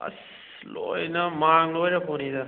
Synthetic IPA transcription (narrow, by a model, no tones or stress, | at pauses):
ɐ̰s | lo̰jnɐmaŋlojɾɐpʰownidɐ